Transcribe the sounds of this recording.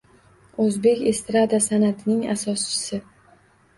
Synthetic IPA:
ɵzbe̞kʲe̞st̪ɾad̪asanat̪ʰɪnɪŋa̰sɒst͡ʃʰɪ̥sɪ

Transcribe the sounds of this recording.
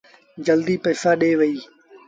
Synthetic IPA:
d͡ʒəld̪iːpəːsaːɗeːʋəiː

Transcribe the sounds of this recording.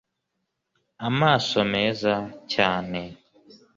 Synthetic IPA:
amaːsomeːzacaːne

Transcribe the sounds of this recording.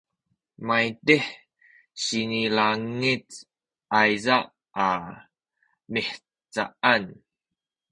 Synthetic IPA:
majteħ | ɕinilaŋit͡s | ʔajzaʔ | a | miħ | t͡saʔan

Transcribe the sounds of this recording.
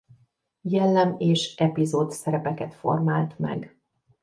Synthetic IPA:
jɛlːɛmeːʃɛpizoːt̪sɛɾɛpɛkɛt̪fo̞̰rmaːlt̪mɛ̰ɡ

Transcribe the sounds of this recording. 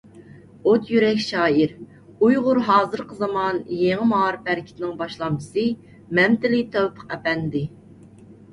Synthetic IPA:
ot̪ʰjyɾɛkʲʃɑːiɾ | ujʁʊɾɦɑːzɨɾqʰəzɑmɑnjeŋɨmɑɑːɾɨpæɾɪkʲʰi̥t̪ʰɪnɪŋbɑʃlˠɑmd̪ɨsɨ | mɛmt̪ɪlɪt̪ʰœwpʰə̥qɛpɛnːd̪ɪ

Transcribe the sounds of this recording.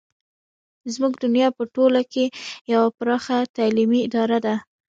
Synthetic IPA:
zmuɡd̪ʊnjɑpəʈolakejawapɾɑxat̪alimiɪd̪ɑɾad̪a

